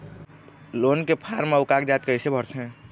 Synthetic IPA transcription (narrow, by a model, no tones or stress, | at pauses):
loːnkepʰaːɾmeʊkaːkd͡ʒaːt̪̚keɪsebʱəɾt̪ʰɦɛ̃ː